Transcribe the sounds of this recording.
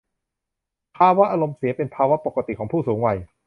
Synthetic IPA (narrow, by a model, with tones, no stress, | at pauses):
pʰaː˧wa˦˥ʔa˧ɾo˧msi˨˩˦ɐpe˧npʰaː˧wa˦˥po˨˩ka˧t̪i˨˩kʰɔː˩˦ŋpʰuː˥˩suː˩˦ŋwa˧j